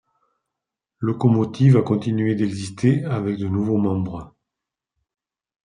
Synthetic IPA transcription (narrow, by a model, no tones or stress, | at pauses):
lɔkɔmɔt̪ivakɔ̃t̪inɥed̪ɛɡzist̪ʰeavɛk̚d̪ənuvomɑ̃bʁə